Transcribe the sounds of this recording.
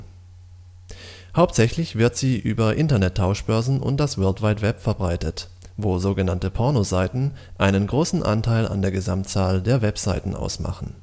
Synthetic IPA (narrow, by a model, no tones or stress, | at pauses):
haʊp̚tz̥ɛçlɪçv̥ɪɐtz̥iːʔyːbɐʔɪntɐnɛtʰːaʊʃb̥œɐzn̩ʔʊ̰nt̚d̥asvɛɐltv̥aɪtv̥ɛpfɛɐbʁaɪtət | voːzoːɡənantəpʰɔɐnozaɪtn̩ʔaɪnənɡʁoːsn̩ʔa̰ntʰaɪla̰ndeːɐɡəzamtt͡saːldeːɐvɛpz̥aɪtn̩ʔa̰ʊsma̰χn̩